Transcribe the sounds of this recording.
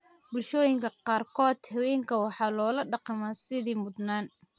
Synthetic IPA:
bʊlʃɔːjɪŋkʰɐqɑːrkʰɔːd̪̥hɛwɛːŋkʰɐwɑħɑːlɔːlɐɖɑqɑmaːsɪðiːmʊd̪naːn

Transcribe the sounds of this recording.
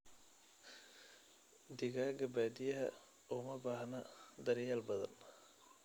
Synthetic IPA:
d̪ɪɣaːɡɐbaːd̪ɪjɐɦɐ̰ | ɔːmɐbaːɦnɐd̪ɐɾjaːlbɐðɐ̰n

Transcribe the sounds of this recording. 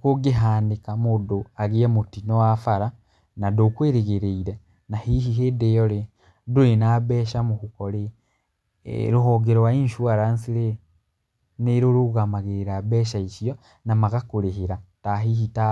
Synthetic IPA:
kuɡeɦaːndikamudoaɣiemutinowafaɾa | nadokweːɾeɣeɾeiɾe | nahihiɦedejoɾe | duɾenabeːʃamukukoɾe | ɾuɦoɡeɾowainʃuaɾansiɾe | neɾuɾuɣamaɣeɾeɾabeːʃaisio | namaɣakuɾeɦeɾataɦihita

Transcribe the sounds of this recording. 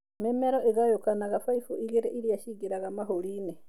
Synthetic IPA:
mɛmɛɾɔʔeɣajokanaɣafaifuiɣeɾeʔiɾiaʃiɡeɾaɣamaɦoɾiːne

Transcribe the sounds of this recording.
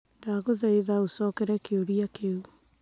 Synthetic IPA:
daːɣoðɛiðaosɔkeɾɛkeoɾiakeu

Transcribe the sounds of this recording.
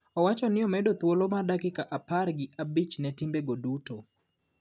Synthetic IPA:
ɔwat͡ʃɔnɪɔmɛdot̪wolomadakɪkaʔaparɡɪʔabit͡ʃnɛtimbeɡoduto

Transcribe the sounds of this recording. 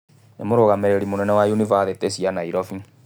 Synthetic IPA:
emoɾoɣameɾeɾimonɛnɛwajunivaðetesianaiɾɔfi

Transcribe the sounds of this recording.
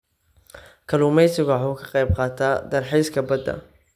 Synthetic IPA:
kʰɐluːmɛjsɪɣwħuːkʰɑ̥qɑjb̚qɑːt̪ʰaːd̪ɐrħɛjskʰɐbɐd̪ɐ̰

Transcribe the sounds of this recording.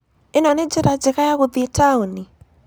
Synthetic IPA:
ɪnɔned͡ʒɪɾad͡ʒɪɣajaɣʊðitʰauni

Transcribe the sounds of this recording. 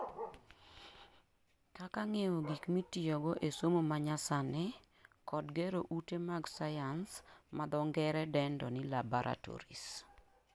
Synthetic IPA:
kakaŋewoɡikmitijoɡɔʔesomomaɲasanɛ | kɔdɡeɾoʔutemaɡsajansmad̪ɔŋɡɛɾɛdɛndɔnɪlabaɾʔa̰tɔ̰ɾḭs

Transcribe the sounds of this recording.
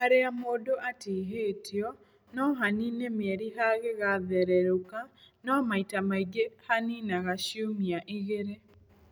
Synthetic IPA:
haɾeamoːdoʔatiɦeːtʰiɔ | nɔɦaninemɛɾiɦaɣeɣaðɛɾɛɾokanɔmaitamaiɡehaninaɣaɕiomiaʔiɣeɾe

